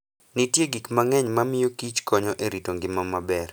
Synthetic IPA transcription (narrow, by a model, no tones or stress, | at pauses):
nitjeɡikmaŋɛɲmamɪjokit͡ʃkɔɲɔʔeɾitoŋɡɪmamabɛr